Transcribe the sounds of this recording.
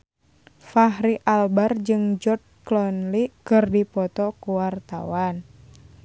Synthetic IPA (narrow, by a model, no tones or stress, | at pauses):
faɦɾiʔalbard͡ʒɨŋd͡ʒɔt̪̚klɔnlikɨrdipɔt̪ɔkuwart̪a̰wan